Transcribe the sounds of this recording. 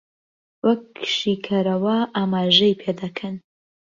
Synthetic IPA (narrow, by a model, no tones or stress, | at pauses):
wɐkːʃiːkʰɐɾɐwɐʔaːmaːʒɐjpʰed̪ɐkʰɐn